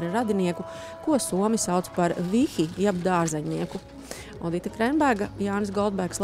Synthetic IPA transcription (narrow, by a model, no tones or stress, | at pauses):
ɾɾad̪iniɛku | kuɔsuɔmisawt̪spaɾvixijabd̪aːɾzɛɲniɛku | ɔd̪it̪akɾɛnbæɾɡajaːns̬ɡɔlˠd̪̚bæɾkslˠ